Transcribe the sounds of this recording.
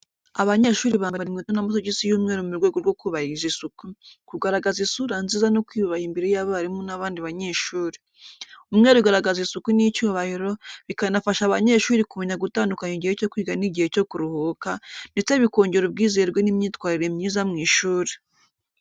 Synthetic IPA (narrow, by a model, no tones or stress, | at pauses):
aβaɲe̞ʃuːɾiβaːmbbaɾimŋiːtonamus̬oɟisijuːmŋeːɾomumuɾɡwe̞ːɡoɾɡwo̞kuβahizisukukuɡaɾaɡazisuɾanzizanokwiuβahimbeɾejaβaaɾimonaβaːndiβaɲeʃuːɾi̥ | umŋeːɾuɡaɾaɡazisukunit͡ʃuːβahiɾo̞βikanafaʃaβaɲe̞ʃuːɾikuβoɲaɡutaːndukaɲiɟihe̞co̞kwiːɡaniɟihe̞co̞kuɾuhukandet͡se̞βiko̞ːɲɟe̞ɾob̚ɡiːze̞ɾɡwenimɲiːtwaːɾiɾemɲiːzamŋiːʃuːɾi